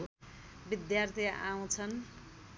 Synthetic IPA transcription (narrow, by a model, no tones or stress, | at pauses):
bid̪jart̪ʰiaw̃t͡sʰʌn